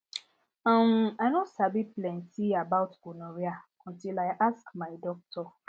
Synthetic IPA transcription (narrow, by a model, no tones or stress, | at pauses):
ãmaɪnosabiplɛ̃ntiabawtɡunɔɾia | ɔ̃ntilaɪʔaskmaɪdɔk̚tʰɔ